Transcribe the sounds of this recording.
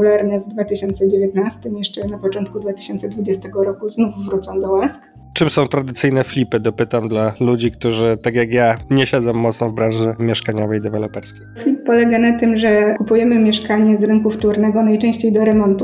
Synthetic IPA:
ulaɾnɛvd̪vat̪ɘɕɔnt̪sɛd͡ʑevʲjet̪nast̪ɘmjɛʂt͡ʂɛnapɔt͡ʂɔnt̪̚kud̪vat̪ɘ̥ɕɔnt̪sɛd̪vud͡ʑɛst̪ɛɡɔɾɔkuznufːɾut̪sɔ̃w̃d̪ɔwask | t͡ʂɘmsɔ̃w̃t̪ɾad̪ɘt̪sɘjnɛflʲipɘd̪ɔpɘt̪amd̪lalud͡ʑikt̪uʐɘt̪akjaɡjaɲɛɕɛd̪zɔ̃wmːɔt̪sɔ̃wvbɾãʐɘmʲjɛʂkaɲɔvɛjd̪ɛvɛlɔpɛɾskʲejflʲipːɔlɛɡanat̪ɘmʐɛkupujɛmɘmʲjɛʂkaɲɛzɾɘŋkuft̪uɾnɛɡɔnajt͡ʂɛ̃ɕt͡ɕejd̪ɔɾɛmɔnt̪u

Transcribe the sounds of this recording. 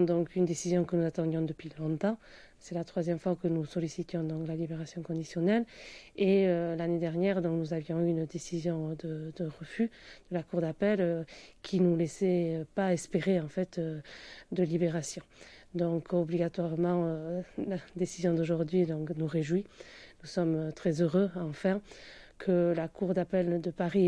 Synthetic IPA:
d̪ɔ̃kynəd̪esizjɔ̃kənuzat̪ɑ̃d̪jɔ̃d̪əpɥilɔ̃t̪ɑ̃ | sɛlat̪χwazjɛmfwakənusɔlisit̪jɔ̃d̪ɔ̃ŋklalibeʁasjɔ̃kɔ̃d̪isjɔnɛleølaned̪ɛʁnjɛʁd̪ɔ̃knuzavjɔ̃yynd̪esizjɔ̃d̪əd̪əʁəfyd̪̥əlakuʁd̪apɛløkʲʰinulesɛøpaɛspeʁeɑ̃fɛt̪ød̪əlibeʁasjɔ̃d̪ɔ̃kɔbliɡat̪waʁmɑ̃ølad̪esizjɔ̃d̪oʒuʁd̪ɥid̪ɔ̃knuʁeʒwinusɔmøt̪χɛzøʁøɑ̃fɛ̃kʰəlakuʁd̪apɛld̪əpaʁi

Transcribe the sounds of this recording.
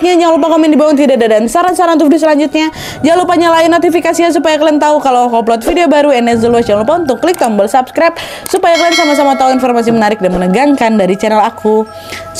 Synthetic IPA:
ɲad͡ʒaŋlup̬akomɛndibawɔŋt̪̬idadadansaɾansaɾant̪̬ufdis̬əlaɲd͡ʒut̪̚ɲa | d͡ʒalupaɲalainːot̪ifikasias̬upajakəlɛnt̪aukalawkap̬lɔt̪̚fideobaɾuɛnɛs̬dəluas̬d͡ʒaŋlup̬aunt̪ʊkːəlɪk̚t̪ambəlsapskɾap̚ | supajakəlɛnsamas̬amat̪auinfɔrmas̬imənaɾɪk̚danmənəɡaŋkandaɾit͡ʃɛnɛlakʰu

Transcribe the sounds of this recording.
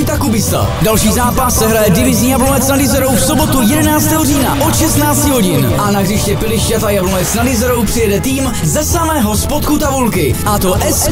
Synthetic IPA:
jt̪akubɪst̪a̰dalʃiːzaːpasːɛɦɾajɛdɪvɪzɲiːjablonɛt͡snadɪzɛɾo̞wfsobo̞t̪ujɛdɛnaːt͡st̪ɛːɦoriːnaʔo̞t̪ʃɛst̪naːt͡scɪɦo̞ɟɪnʔanaɦrɪʃcɛpɪlɪʃcat̪ajablonɛt͡snadɪzɛɾowpr̥ɪjɛdɛt̪iːm | zɛsamɛːɦo̞spot̪kut̪avulkɪʔat̪o̞ʔɛs

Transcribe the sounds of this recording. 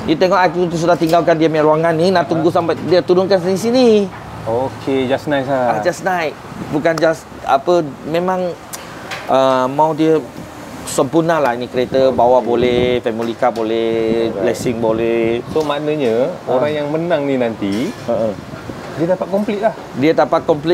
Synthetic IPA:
diət̪ɛŋɔʔak̪ut̪s̬udaht̪iŋɡalkandiəmaɾuaŋanːinaʔt̪uŋɡusampajdiət̪uɾʊnkansnis̬ini | okʰed͡ʒasnajsaad͡ʒasnaj | bukand͡ʒas | a̰pəmẽmãŋ | ʔəmaudiə | səmpurnalaɦinikəɾet̪əbawabolɛhfɛmolikabolɛbblɛsiŋbolɛhsomanəɲə̃oɾaŋjaŋmənãŋninant̪iəʔə | diədapat̪̚kɔmplit̪̚lah | diədapat̪̚kɔmpli

